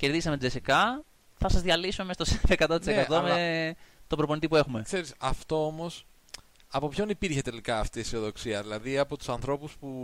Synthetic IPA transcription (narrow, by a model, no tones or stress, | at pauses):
ce̞ɾðizi̥semed͡zesikɐ | θɐsɐzðʝɐlisume̞mesɐt̪osoekɐt̪o̞t̪isekɐt̪o̞met̪o̞bɾo̞po̞nit̪ipue̞xume̞kse̞ɾisɐft̪o̞omo̞s | ɐpo̞pço̞nipiɾçe̞t̪e̞likɐːft̪iesioðo̞ksiɐðilɐðiɐpo̞t̪u̥sɐnθɾo̞puspu